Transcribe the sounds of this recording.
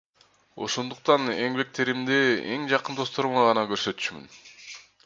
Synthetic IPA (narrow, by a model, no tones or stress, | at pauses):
o̞̰ʃo̞nd̪uq̚t̪ɑne̞ŋbek̚t̪e̞ɾimd̪ee̞̰ŋd͡ʒɑqɯnd̪ost̪o̞ɾmɑʁɑnɑkø̞ɾsø̞t̪y̥t͡ʃmy̰n